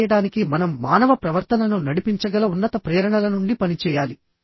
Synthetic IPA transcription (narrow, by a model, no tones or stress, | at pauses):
jɐɽaːnikimɐnɐmːaːnɐʋɐpɾɐʋɐɾt̪ɐnɐnunɐɽipiɲt͡ʃɐɡɐlɐunːɐt̪ɐpɾɛːɾɐɳɐlɐnuɳɖipɐnit͡ʃɛːjaːli